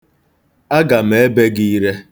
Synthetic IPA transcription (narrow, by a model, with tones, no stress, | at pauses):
a˦ɡa˨m̩e˨e˦be˦ɡi˦i˦ɾe˦